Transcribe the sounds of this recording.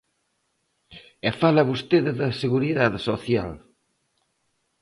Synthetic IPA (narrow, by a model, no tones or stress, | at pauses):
efalɐβust̪eððɐseɣuɾiðaðsoθja̰l